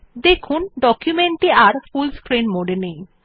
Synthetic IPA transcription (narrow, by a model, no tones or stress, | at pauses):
d̪ekʰunɖɔkjumeɳʈiaɾfulskɾinmoɖenej